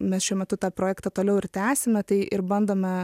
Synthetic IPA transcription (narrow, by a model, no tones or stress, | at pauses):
mʲɛsʃʲuɔmʲɛt̪ʊt̪ɑːpɾoːjæːkt̪ɐt̪oːlʲɛʊɪɾt̪ʲæːsʲɪmʲɛt̪ɐɪʔɪɾbɐnd̪oːmʲɛ